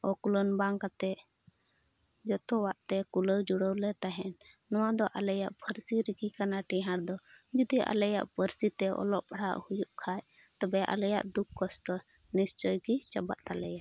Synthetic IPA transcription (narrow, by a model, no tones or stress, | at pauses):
ɔkulɔnbaŋkat̪ɛ | d͡ʒɔt̪ɔwaʔt̪ɛkuləwd͡ʒuɽəwlɛt̪aɦɛnː | ɔwad̪ɔʔalɛjaʔpʰəɾsiɾiɡikanaʈiɦaɽd̪ɔd͡ʒɔd̪iʔa̰lɛja̰ʔpəɾsit̪ɛʔɔ̰lɔʔpaɽ̤a̰ʔhujuʔkʰaj | t̪ɔbɛʔa̰lɛja̰ʔd̪ukʰːɔsʈɔ | nist͡ʃɔjɡit͡ʃaba̰ʔt̪alɛja